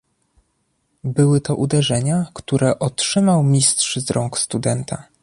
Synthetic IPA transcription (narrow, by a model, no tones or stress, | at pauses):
bɘwɘt̪ɔʔud̪ɛʐɛɲakt̪uɾɛʔɔtʂɘmawmʲistʂzɾɔŋkst̪ud̪ɛnt̪ʰa̰